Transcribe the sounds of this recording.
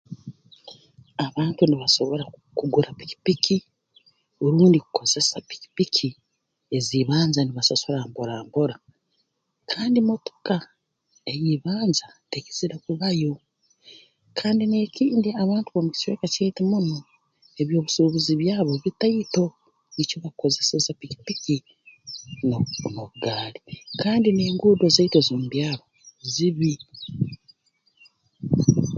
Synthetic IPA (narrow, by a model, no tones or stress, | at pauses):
aβaːntuniβaso̞βo̞ɾakuɡuɾapi̥ci̥pikʰi | oɾuːndikuko̞z̥e̞sapi̥ci̥pikʰi | e̞ziːβaːnzaniβasosoɾaːmboɾaːmbo̞ɾa | kʰaːndimo̞to̥ka | ejiβaːnzateke̥ziɾakuβajo̞ | kʰaːndine̞ːciːndeaβaːntuβomuci̥sweːkacejitimuno | eβjo̞ːβusuβuziβjaːβo̞βitajito̞ | nicoβako̞zesezapiki̥piki | noβuɡaːlikaːndine̞ːŋɡuːdo̞zeitozombjaːβoziβi